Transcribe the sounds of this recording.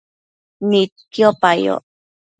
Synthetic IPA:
nit̪̚kjopajo̰

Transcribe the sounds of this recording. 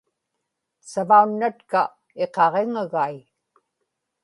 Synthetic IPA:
savaunːat̪ka | e̞qɑʁeŋaɣaj

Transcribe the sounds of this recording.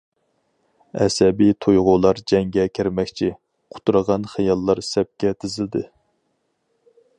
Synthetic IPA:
ɛ̰sɛbit̪ʰojʁʊlˠɑɾd͡ʒɛŋɡʲɛkʲʰɪɾmɛkʲt͡ʃʰi | qʰʊ̥t̪uɾəʁɑnχɨjɑlˠːɑɾsɛp̚kʲɛt̪ʰɪzɪld̪ɨ

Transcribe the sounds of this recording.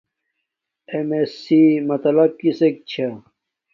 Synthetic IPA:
emesimɐt̪ɐlɐb̚kisek̚t͡ɕʰa

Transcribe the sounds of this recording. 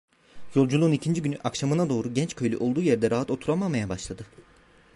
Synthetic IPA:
jo̞lˠd͡ʒulˠuunicʰind͡ʒiɟynyʔakʃamɯnad̪o̞ːɾuɟɛnt͡ʃkʰø̞jlʲyʔo̞lˠd̪uːjeɾd̪ɛɾaɦat̪o̞t̪ʰuɾamamajabaʃlˠad̪ɯ

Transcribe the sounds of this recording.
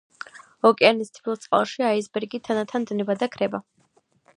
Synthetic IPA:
ɔkʼɛanist̪ʰi̥pʰilˠt̪sʼqʼa̰lˠʃiaizbɛɾɡit̪ʰanat̪ʰand̪nɛbad̪akʰɾɛba

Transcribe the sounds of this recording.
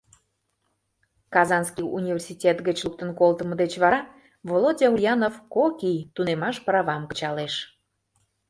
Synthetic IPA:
kɑzɑnskiṵnʲivʲersitʲet̪ɡət͡ɕluk̚t̪ənkolt̪əməd̪et͡ɕβɑɾɑ | volodʲeujɑnofkokijt̪unemɑʃpɾɑβɑmkə̥t͡ɕɑleʃ

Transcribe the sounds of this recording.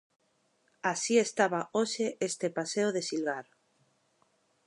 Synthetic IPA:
asiest̪aβaoʃeʔest̪epaseoðesilɣaɾ

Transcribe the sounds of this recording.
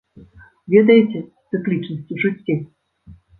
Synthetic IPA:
vʲɛd̪ɐjɛt͡sʲɛt̪sɨklʲit͡ʂnɐsʲt͡sʲuʐɨt͡sʲːe

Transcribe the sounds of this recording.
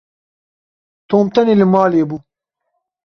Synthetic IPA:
t̪oːmt̪ɐnelimɑːleːbu

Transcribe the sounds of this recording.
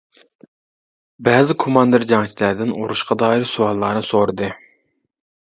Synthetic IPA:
bɛːzɪkʰomɑnd̪ɨɾd͡ʒɑŋt͡ʃʰilæd̪ɪnuɾuʃqɑd̪ɑːiɾsuwɑlˠːɑnɨsoɾɨd̪ɨ

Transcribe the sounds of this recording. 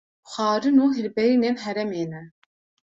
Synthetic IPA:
xʷɑːɾɨnuːɦɪlbɛɾinenɦɛɾɛmeːnɛ

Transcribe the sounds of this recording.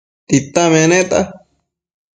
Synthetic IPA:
t̪it̪ãmẽnẽt̪a̰

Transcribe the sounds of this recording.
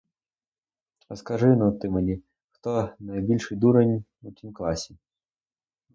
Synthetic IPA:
ɾɐskɐʐɪnɐmt̪ɪmɐnʲi | xt̪ɔnɐjbʲilʲʂɨjd̪uɾɐnʲutʲimklˠasʲɪ

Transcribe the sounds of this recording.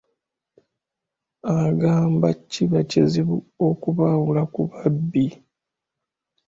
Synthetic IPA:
aɡaːmbacːiβaceziβuokuβawulakuβabːi

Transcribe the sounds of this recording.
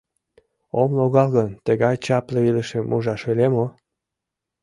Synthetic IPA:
omloɣɑlɣənt̪əɣɑjt͡ɕɑpleiləʃĕmʔuʒɑʃelemo

